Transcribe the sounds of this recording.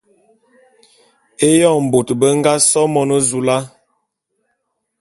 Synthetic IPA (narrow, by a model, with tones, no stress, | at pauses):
e˦jɔ˦˨m̩˨bo˨tbə˦ŋ˦ɡa˦sɔ˦mɔ˦nə˦zu˨la˦